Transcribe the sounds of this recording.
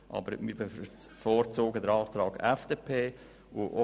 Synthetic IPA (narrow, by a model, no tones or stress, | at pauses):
ʔɑ̰bəɾmiːɾbfoːɾt͡soːɡədəɾɑːt̪ɾɑːɡɛfd̥eːpʰeː | oʔo